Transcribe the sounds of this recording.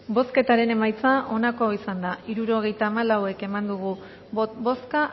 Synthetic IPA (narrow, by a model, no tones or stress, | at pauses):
bo̞ske̞t̪aɾe̞ne̞majt͡saʔo̞nako̞isand̪aiɾuɾo̞ɣ̞e̞jt̪aːmalawe̞ke̞mand̪uɣ̞u | boska